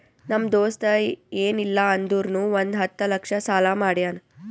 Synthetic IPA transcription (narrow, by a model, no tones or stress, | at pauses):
nɐmd̪oːst̪ɐeːnilːɐɐnd̪uːɾnuːʋond̪ɦɐt̪ːɐlɐkʂɐsaːlaːmaːɽjaːn